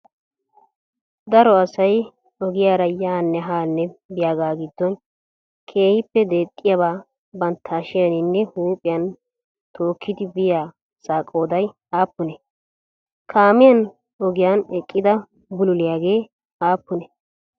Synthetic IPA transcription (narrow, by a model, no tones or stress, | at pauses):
d̪ɐɾɔɐsɐj | ɔɡɪjaːɾɐjːaːnːɛɦaːnːɛbɪjaːɡaːɡɪd̪ːɔn | kʰe̞ːhɪpːɛd̪e̞ːt̪ʼːɪjɐbaː | bɐnt̪ʰːɐːʃɪjɐnɪnːɛhuːpʼɪjɐn | t̪ʰo̞ːkʰːɪd̪ɪbɪjaː | saːkʼːo̞ːd̪ɐj | aːpːʊnɛ | kʰaːmɪjɐn | ɔɡɪjanɛkʼːɪd̪ɐ | bʊlʊlɪjaːɡe̞ː | aːpːʊnɛ